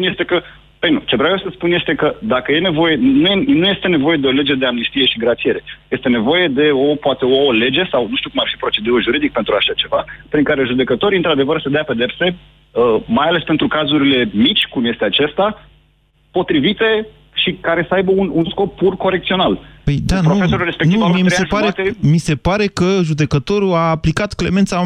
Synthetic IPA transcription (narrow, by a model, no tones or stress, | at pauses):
unje̞st̪e̞kə | əjnut͡ʃe̞vɾawjewsəspunjest̪e̞kəd̪akəje̞ne̞vo̞je̞nuenuje̞st̪e̞ne̞vo̞jed̪eo̞le̞d͡ʒe̞d̪e̞amnist̪ije̞ʃiɡɾat̪t͡ʃ̪ije̞ɾe̞je̞st̪e̞ne̞vo̞je̞d̪e̞o̞poat̪e̞ole̞d͡ʒe̞sawnuʃt̪iukumarfipɾo̞t͡ʃe̞d̪uɾuʒuɾid̪ik̚pent̪ɾuaʃat͡ʃe̞vapɾiŋkaɾe̞ʒud̪e̞kət̪o̞ɾiɨnt̪ɾad̪e̞vərsed̪eape̞d̪e̞pse̞ | əmajale̞spe̞nt̪ɾukazuɾile̞mit͡ʃʲkumje̞st̪e̞at͡ʃe̞st̪a | po̞t̪ɾivit̪e̞ | ʃikaɾe̞səajbəununsko̞pːurko̞ɾek̚t̪sio̞naləjd̪ap̪ɾoufesoɾulɾespekniumiemieseʒpaɾet̪emise̞paɾe̞kəʒud̪e̞kət̪o̞ɾuaːplikat̪kle̞̰me̞nt̪sa